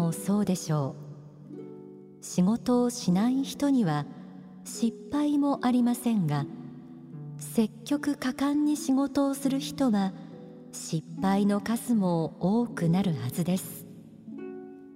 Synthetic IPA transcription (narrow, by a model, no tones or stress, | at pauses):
oso̞ːd̪e̞ɕo̞ː | ɕiɡo̞t̪o̞ːɕinaiçi̥t̪o̞ɲ̟iβa | ɕipːaimo̞ʔaɾʲimasẽ̞ŋɡa | se̞kʲːo̞kɯ̟kakãɲ̟ːiɕiɡo̞t̪o̞ːsɨɾɯ̟çi̥t̪o̞βa | ɕipːaino̞kazɨmo̞oːkɯ̟naɾɯ̟hazɨd̪e̞sɨ̥